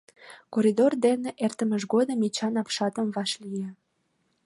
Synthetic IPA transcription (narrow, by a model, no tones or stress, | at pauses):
koɾʲid̪ord̪eneʔert̪əməʃ̬ɡod̪əmet͡ɕɑnɑpʃɑt̪əmβɑʃlije